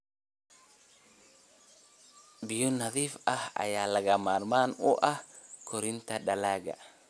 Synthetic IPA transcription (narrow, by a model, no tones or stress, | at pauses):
bɪjʊnɐðiːfɐhɐ̰jaːlɐɣɐmaːrmaːnʊʔɐhkʰɔɾɪnt̪ʰɐɖɐlaːɣɐ̰